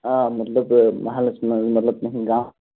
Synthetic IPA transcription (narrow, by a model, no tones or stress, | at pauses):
amɐt̪lɐbmɐɦalɐsmɐmɐt̪lɐb̚nɐɦĩɡãːw̃